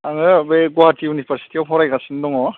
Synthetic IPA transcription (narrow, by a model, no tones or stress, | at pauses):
aŋɯbejɡɔatiunipʰaɾsi̥tiawpʰɔɾajkasɯndɔŋɔ